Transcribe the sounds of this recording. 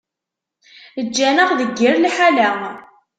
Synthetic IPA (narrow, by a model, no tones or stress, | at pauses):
əd͡ʒːænəʁðəɡːəɾlħalæ